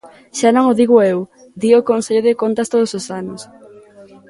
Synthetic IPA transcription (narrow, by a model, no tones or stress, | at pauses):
ʃanõŋoðiɣoew | d̪iokonseʎoðekont̪ɐst̪oðososanos